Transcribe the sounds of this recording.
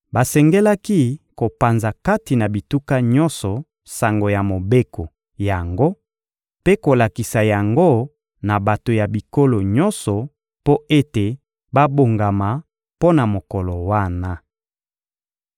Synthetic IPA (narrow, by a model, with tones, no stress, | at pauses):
ba˨sɛ˨ŋɡe˦la˦ki˦ko˨pa˨nza˨ka˦ti˨na˨bi˨tu˦ka˦ɲɔ˦nsɔ˨ | sa˨ŋɡo˨ja˨mo˨be˦kɔ˨ | ja˨ŋɡo˦ | pe˦ko˨la˨ki˨sa˨ja˨ŋɡo˦˨ | na˨ba˨to˨ja˨bi˨ko˦lo˨ɲɔ˦nsɔ˨ | po˦e˦te˨ | ba˦bo˨ŋɡa˨ma˨ | po˦na˨mo˨kɔ˨lɔ˨wa˦˨na˦